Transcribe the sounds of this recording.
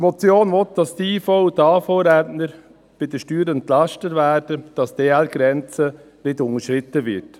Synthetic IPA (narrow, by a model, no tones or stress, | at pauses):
mɔt͡sjoːnʋɔtd̥ɑstiːfɔʊdɑːfoːɾɛtnəɾ | b̥ɪd̥əʃtyːɾɛntlɑʃtətʋæːɾd̥əd̥ɑsd̥eːælɡ̥ɾɛnt͡sə | nɪdʊŋəʃɾɪt̪ːəvɪɾt